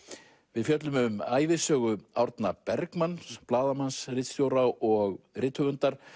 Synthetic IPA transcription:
vɪðfjœt̪̬lʏmʏmaːjvɪsœːɣʏawɾt̪napɛɾkmansplaːðamansrɪt̪st̪jowɾawɔɣrɪːt̪hʏɣʏnt̪aɾ̥

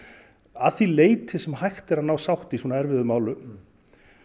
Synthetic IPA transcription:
aðθileːjt̪ʰɪsɛmɦajxt̪ɛɾaðnaːwsawht̪iswɔnaɛɾvɪðʏmaːwlʏ

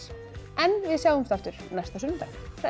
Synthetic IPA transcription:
ɛnvɪðsjaːwðʏmsθaft̪ʏɾ̥nɛst̪asʏnːʏmp̪ajkθa

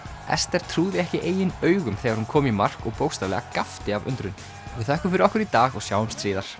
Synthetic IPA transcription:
ɛ̰st̪ɛɾ̥t̪ʰɾuːðɪɛhcɪʔeːjɪnœːɥɣʏmθɛːɣaɾhunkʰɔːmimar̥kɔɣpoːwst̪avlɛ̰ɣakaft̪ɪavʏ̰nt̪ɾʏn | ɔɪθaɛhkʏɾfɪɾɪɾɔhkʏɾit̪aːɣɔɣsjaːwʏmst̪ɾiːðaɾ̥

